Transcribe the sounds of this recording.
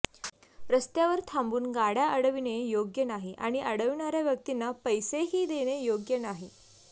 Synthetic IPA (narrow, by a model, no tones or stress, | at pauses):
ɾəst̪jaʋəɾt̪ʰambuːnɡaɽjaʔəɽəʋinejoɡjənaɦiʔaɽ̃iʔəɽəʋɳaɾjaʋjək̚t̪inːapəjseɦiːd̪eɽ̃ejoɡjənaɦi